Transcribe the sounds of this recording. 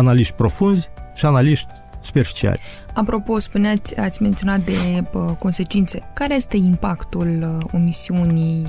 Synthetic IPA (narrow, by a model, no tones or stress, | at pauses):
analiʃt̪ʲpɾo̞funzʲʃianaliʃt̪ʲ | su̥pe̞rfi̥t͡ʃia̰lʲ | apɾo̞po̞spuneat̪sʲat̪sʲme̞nt̪io̞nat̪̚d̪eko̞nse̞t͡ʃint̪se̞kaɾejest̪e̞impakt̪ulo̞misiunʲij